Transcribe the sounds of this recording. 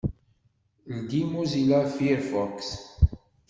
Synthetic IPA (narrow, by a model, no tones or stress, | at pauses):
lɡ̪imuzilafiɾfɔks